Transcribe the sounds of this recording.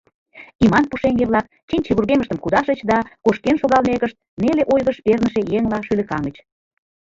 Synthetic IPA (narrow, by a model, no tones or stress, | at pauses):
imɑnpuʃeŋɡeβlɑk̚ | t͡ɕenʲt͡ɕeβurɣeməʃt̪əmkud̪ɑʃət͡ɕd̪ɑkoʃkenʃoɣɑlmekəʃt̪̚neleʔojɣəʃpernəʃejeŋlɑʃylĕkɑŋɡət͡ɕ